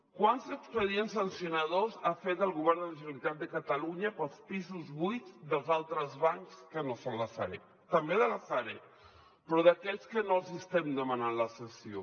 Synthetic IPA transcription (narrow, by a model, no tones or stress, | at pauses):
kwanzəkspəðiensənsiunəðozafet̪əlˠɣuβ̞ɛɾnd̪ələʒənəlit̪at̪̚d̪əkət̪əluɲəpəlˠspizuzβujd̪əlˠzalˠt̪ɾəzβaŋskənosonlasa̰ɾḛ | t̪əmbeðəlasaɾe | pɾɔðəkɛʎskənolˠzəst̪ɛmd̪əmananləsəsio